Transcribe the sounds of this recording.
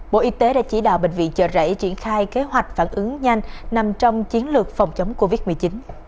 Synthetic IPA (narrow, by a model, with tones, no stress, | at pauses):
ɓo̰˧˨ʔi˧˦t̪e˨˦ɗa̰ː˧˥t͡ɕi˧˩ɗa̰ː˧˨wɓë˧˨ŋ̟vḭ˧˨ənt͡ɕə̰ː˧˩zə̰˧˩jt͡ɕwḭ˧˩ənxaː˧jke˨˦ɦwa˨˩jk̟̚faː˧˩nʔɨ˨˦ŋɲa˧jŋ̟na˨˩mt͡ɕɔ˧wŋ͡mt͡ɕi˨˦ənlɨ˨˩ək̚fɔ˨˩wŋ͡mt͡ɕə˨˦wŋ͡mko˧vi˦˥t̚mɨ˨˩ət͡ɕi˨˦n